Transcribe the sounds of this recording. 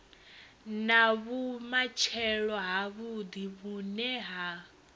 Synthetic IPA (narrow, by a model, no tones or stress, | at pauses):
naβumat͡ʃʰɛɺɔɦaβud̪iβunɛɦa